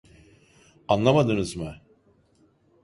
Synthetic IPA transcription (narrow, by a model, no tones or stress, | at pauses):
anlˠamad̪ɯnɯzmɯ